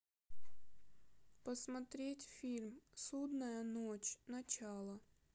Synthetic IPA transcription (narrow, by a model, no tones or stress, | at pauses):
pɐsmɐt̪ɾʲetʲfʲilʲmsud̪nɐjɐnot͡ɕʲnɐt͡ɕalˠɐ